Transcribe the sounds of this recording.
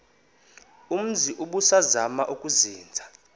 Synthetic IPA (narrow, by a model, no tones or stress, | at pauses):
um̩ziʔuɓusazamaʔukʼuziːnd͡zʱa